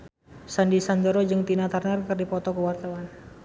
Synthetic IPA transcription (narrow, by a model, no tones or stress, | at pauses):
sandisand͡ʒəɾod͡ʒɨŋt̪inat̪arnarkɨrdipɔt̪ɔkəwart̪awan